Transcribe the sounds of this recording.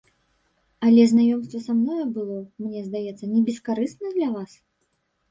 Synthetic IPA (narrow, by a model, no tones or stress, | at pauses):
ɐlʲɛznajɔmst̪vɐsamnɔjɐbɨlˠɔmnʲɛzd̪ajɛt̪sːɐnʲɛbʲɛskaɾɨst̪nɐd̪lʲɐvas